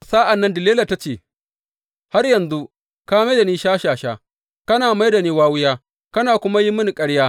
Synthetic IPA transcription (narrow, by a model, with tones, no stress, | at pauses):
saː˦ʔa˨nːɐ˦ndɪ˨leː˦lɐ˨ta˦t͡ʃeː˦˨ | ha˦rjɐ˨nzu˦ | kaː˦ma˦jda˨niː˦ʃaː˦ʃaː˨ʃaː˦ | kɐ˦naː˨ma˦jda˨niː˦waː˦wʊ˦jaː˦ | kɐ˦naː˨kʷʊ˦ma˦ji˦mʊ˦ni˨kʼɐ˦ɽjaː˦